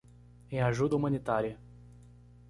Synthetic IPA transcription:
ẽj̃aʒud̪ɐumɐ̃nit̪aɾiɐ

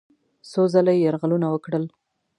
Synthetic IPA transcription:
sozalajjaɾɣalunawəkɽəl

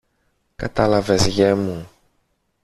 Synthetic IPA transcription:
kɐt̪ɐlɐvezʝemu

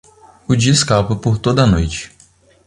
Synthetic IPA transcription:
ʊd͡ʒiskapɐpoɾt̪od̪ɐnojt͡ʃɪ̥

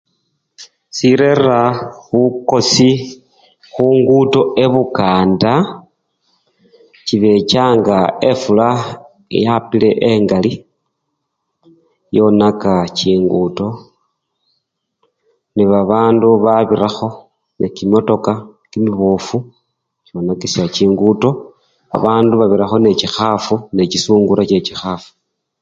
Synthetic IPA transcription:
siɾe̞raβuko̞si | xuŋɡuto̞ʔe̞βukaːnda | ciβe̞t͡ʃaːŋɡae̞fula̰ | japileʔeŋɡali | jo̞nakaciːŋɡuto̞ | niβaβaːnduβaβiɾaxo̞ | nḛkimo̞to̞kakimiβofu | co̞nakisjat͡ʃiːŋɡuto̞ | a̰βaːnduβaβiɾaxo̞ne̞cixafune̞cisuːŋɡuɾʔat͡ʃe̞cixafu̥

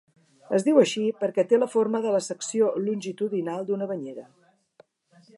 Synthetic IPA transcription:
əzðiwəʃipəɾkɛt̪eləfoɾməðələsəksiolunʲʒit̪uðinalˠd̪unəβəɲeɾə

